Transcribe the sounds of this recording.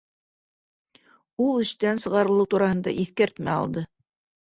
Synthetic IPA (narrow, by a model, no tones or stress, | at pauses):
ulˠɘ̆ʃt̪ænsɤ̆ʁɑɾɤ̆lˠɤwt̪uɾɑhɤ̆nd̪ɑ̰ʔiθkæɾt̪mæɑ̰lˠd̪ɤ